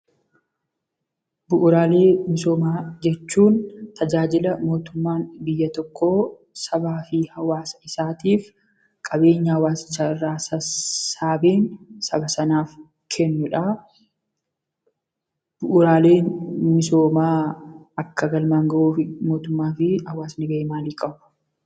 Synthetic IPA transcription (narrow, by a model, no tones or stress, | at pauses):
bʊʔʊɾaːle̞ːmɪso̞ːmaːd͡ʒɛt͡ʃːuːnt̪ʰɐd͡ʒaːd͡ʒɪlɐmo̞ːt̪ʊmːaːnbɪjːɐt̪ɔkːoː | sɐbaːfɪhɐwaːsɐ̥ɪsaːt̪iːf | kʼɐbe̞ːɲːɐhɐwaːsɪ̥t͡ʃːaːɪrːaːsɐsaːbeːnsɐbɐsɐnaːf | kʰɛnːʊᶑa | b̥ʊʔʊɾaːle̞ːnmɪso̞ːmaːɐkːɐɡɐlmaːŋɡɐʔuːfɪmo̞ːt̪ʊmːaːfɪhɐwaːsnɪɡɐmaːliːkʼɐbʊ̥